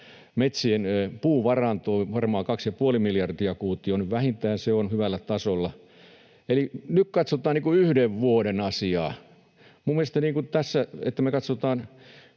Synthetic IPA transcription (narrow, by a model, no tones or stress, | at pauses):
met̪sienpuːʋɑrɑnt̪oːʋɑrmɑːkɑksjɑpuolimiljɑrdiɑkuːt̪ːˑionyʋʋæhint̪æːnseonhyʋælːæt̪ɑsolːɑ | elinykkɑt̪sot̪ɑːniːkuyhdeʋʋuoɾenɑsiɑː | mumːˑielest̪ɑniːŋkut̪æsːæḛt̪ːæmekɑt̪sot̪ɑːn